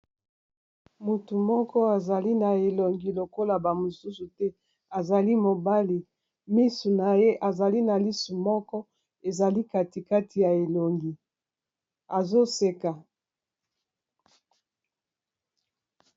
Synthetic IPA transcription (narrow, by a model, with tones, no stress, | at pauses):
mu˨tu˨mɔ˦kɔ˦a˨za˨li˦na˨e˨lo˨ŋɡi˨lo˨ko˦la˨ba˨mo˨su˦su˨tɛ˦ | a˨za˨li˦mo˨ba˦li˨ | mi˦su˨na˨je˦ʔa˨za˨li˦na˨li˦su˨mɔ˦kɔ˦ | e˨za˨li˦ka˦ti˨ka˦tʰi˨ja˨e˨lo˨ŋɡi˨ | a˨zo˦se˦ka˨